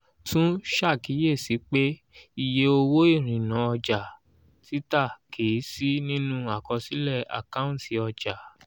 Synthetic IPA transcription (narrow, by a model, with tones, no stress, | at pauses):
tũ˦ʃa˦˨ki˨˦je˦˨si˨˦k͡pe˦ | i˧je˧˦o˧wo˦i˦˨ɾ̃ĩ˨nã˨˦ɔ˧d͡ʒa˨ | ti˦ta˦˨kʰe˨i˨˦si˦nĩ˦nũ˦a˦˨kɔ˧si˦lɛ˦˨a̰˨ka˦ũ˦˨ti˨ɔ˧d͡ʒa˨